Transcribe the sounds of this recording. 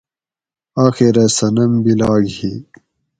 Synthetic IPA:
aːxiɾɐsɐnɐmbilaːɡhi

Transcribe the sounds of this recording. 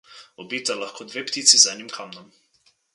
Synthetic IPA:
ɔbiːt̪alaxkʰoːd̪ʋeːpt̪it̪sizɛnimkʰaːmnɔm

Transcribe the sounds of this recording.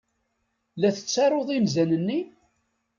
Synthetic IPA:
læθə̥t͡sːɑɾˤoðˤimzænənːi

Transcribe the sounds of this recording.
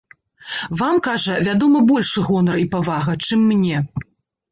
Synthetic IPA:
vamkaʐɐvʲad̪ɔmɐbɔlʲʂɨɣɔnɐripavaɣɐt͡ʂɨmːnʲɛ

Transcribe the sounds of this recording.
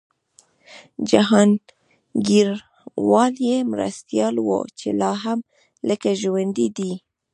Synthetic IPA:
d͡ʒaɦɑn | ɡiɾ | wɑljemɾa̰st̪jɑlwo̰t͡ʃelɑɦam | ləkaʒwand̪id̪i

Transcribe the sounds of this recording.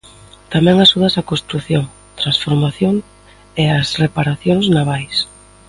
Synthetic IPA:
t̪amɛ̃ŋaʃuðɐsakost̪ɾuθjoŋ | t̪ɾansfoɾmaθjoŋ | easrepaɾaθjoŋznaβajs

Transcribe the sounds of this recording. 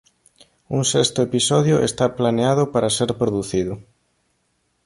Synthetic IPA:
uŋsest̪ʊepisɔðjʊʔest̪aplaneaðʊpaɾaseɾpɾoðuθiðʊ

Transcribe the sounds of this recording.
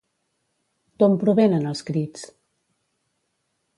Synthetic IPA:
t̪ompɾuβenənəlˠskɾit͡s

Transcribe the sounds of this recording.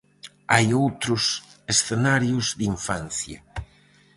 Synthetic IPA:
ajowt̪ɾʊsesθenaɾjʊzd̪iɱfan̟θja̰

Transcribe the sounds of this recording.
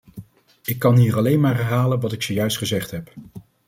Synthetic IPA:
ɪkːɑnɦiːrɑlejnmaːrɦɛrɦaːlənʋɑtɪksojœɥstχəzɛχtɦɛp

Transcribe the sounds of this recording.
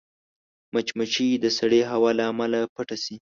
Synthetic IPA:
mat͡ʃmat͡ʃid̪əsaɽeɦawɑlaːmalapaʈasi

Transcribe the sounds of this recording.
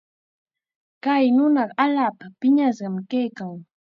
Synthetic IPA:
kajnʊnɑɢaʎaːpapɪɲas̬ɢɑmkajkaŋ

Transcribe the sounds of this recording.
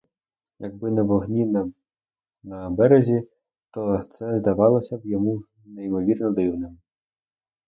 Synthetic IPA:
jɐɡ̚bɪnɛʋɔɦnʲi | nɐbɛɾezʲi | t̪ɔt̪sɛzd̪ɐʋɑlˠɔsʲɐwjɔmu | nɛjimɔʋʲirnɔd̪ɪwnɪm

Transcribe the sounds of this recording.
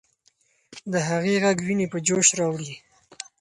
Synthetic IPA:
d̪əɦaɣeɣaɡwinepəd͡ʒoʃɾɑwɽi

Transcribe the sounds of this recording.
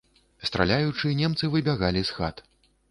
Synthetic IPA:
st̪ɾa̰lʲajut͡ʂɨnʲɛmt̪sɨvɨbʲaɣalʲisxa̰t̪

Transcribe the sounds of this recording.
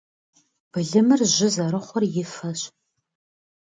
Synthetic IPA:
b̥ɨɮɨmɨrʑɪzɐɾɨχʷɔrjɪfɐɕ

